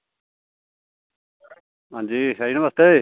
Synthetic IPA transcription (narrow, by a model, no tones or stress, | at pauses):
ɦãːd͡ʑiːsainɐməst̪eː